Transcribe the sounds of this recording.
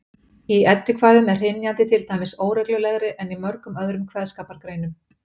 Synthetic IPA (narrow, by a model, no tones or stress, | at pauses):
iɛt̪ːɪkʰvaːjðʏmɛr̥ɪnjant̪ɪt̪ʰɪlt̪aːjmɪsoːwɾɛklʏlɛɣɾɪʔɛnimœɾkʏmœðɾʏmkʰvɛðskaːpaɾkɾeːjnʏm